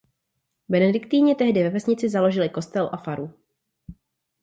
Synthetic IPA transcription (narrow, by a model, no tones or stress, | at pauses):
bɛnɛdɪkt̪iːɲɪt̪ɛɦdɪvɛvɛsɲɪt͡sɪzalo̞ʒɪlɪko̞st̪ɛlʔafaɾu